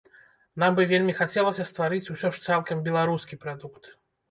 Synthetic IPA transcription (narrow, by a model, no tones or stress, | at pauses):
nambɨvʲelʲmʲixat͡sʲɛlˠɐsʲɐst̪vaɾɨt͡sʲusʲɔʂt̪salˠkɐmbʲɛlˠaɾuskʲipɾad̪ukt̪